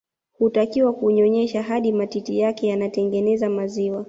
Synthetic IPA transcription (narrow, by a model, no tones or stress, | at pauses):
hutakiwakuɲɔɲɛʃaɦaɗimatitijakɛjanatɛŋɡɛnɛzamaziwa